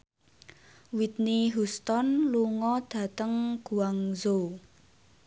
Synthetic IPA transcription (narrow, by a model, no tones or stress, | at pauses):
wit̪̚niɦust̪ɔnluŋɔd̪̥ä̤t̪əŋɡ̥uaŋzo